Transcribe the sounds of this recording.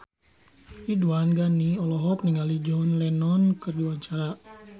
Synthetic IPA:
iduanɡaniɔlɔɦɔk̚niŋɡalid͡ʒɔnlɛnɔnkɨrdiaɲt͡ʃaɾa

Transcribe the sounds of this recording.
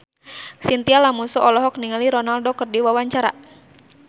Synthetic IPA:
sint̪ialamusɔʔɔlɔɦɔk̚niŋaliɾɔnaldɔkərdiwawaɲt͡ʃaɾa

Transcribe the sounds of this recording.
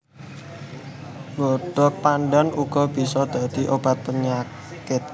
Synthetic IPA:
ɡɔɖ̥ɔ̤k̚panɖanuɡ̥ɔb̥isɔd̪̥a̤d̪̥i̤ʔob̥a̤t̪̚pəɲa | kɪt̪̚

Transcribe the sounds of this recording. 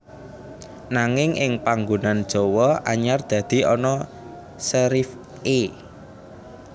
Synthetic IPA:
naŋɪŋɪŋpaŋɡunand̥ʒ̥o̤wɔʔaɲard̪̥ä̤d̪̥i̤ʔɔnɔ | səɾif | e

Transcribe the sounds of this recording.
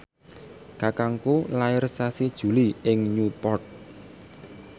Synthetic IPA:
ɡ̥a̤kaŋkolaɪrsasid̥ʒ̥ṳliɪŋɲupɔrt̪̚

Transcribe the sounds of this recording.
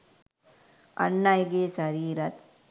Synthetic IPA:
ɐ̰ɳːajɡeːsɐɾiːɾɐt̪̚

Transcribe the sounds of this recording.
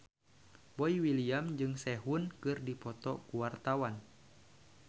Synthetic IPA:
bɔiwiliamd͡ʒɨŋsɛɦunkɨrdipɔt̪ɔkuwart̪awan

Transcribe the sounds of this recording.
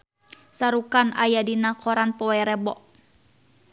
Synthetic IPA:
saɾukanajadinakɔɾanpɔwɛɾɛbɔʔ

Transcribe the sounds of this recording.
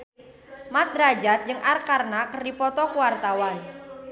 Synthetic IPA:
mat̪̚ɾad͡ʒat̪̚d͡ʒɨŋʔarkarnakərdipɔt̪ɔkuwart̪awan

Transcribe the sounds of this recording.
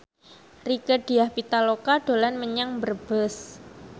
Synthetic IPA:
rikəɖ̥i̤ahpit̪alokaɖ̥olanməɲaŋbərb̥əs

